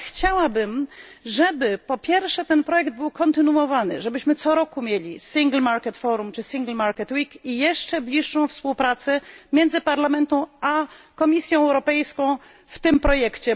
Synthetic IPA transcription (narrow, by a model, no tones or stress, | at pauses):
xt͡ɕawabɘmʐɛbɘpɔpʲjɛɾfʂɛt̪ɛnpɾɔjɛɡd̪̚bɘwkɔnt̪ɘnuɔvanɘ̰ʐɛbɘɕmɘt̪sɔɾɔkumʲjelʲisʲiŋɡlmaɾkɛt̪fɔɾumt͡ʂɘsʲiŋɡlmaɾkɛt̪wikijɛʂt͡ʂɛblʲiʂːɔ̃w̃fspuwpɾat̪sɛmʲjɛnd̪zɘpaɾlamɛnt̪ɛ̃w̃akɔmʲisʲjɔ̃w̃ɛwɾɔpɛjskɔ̃w̃ | ft̪ɘmpɾɔjɛkt͡ɕɛ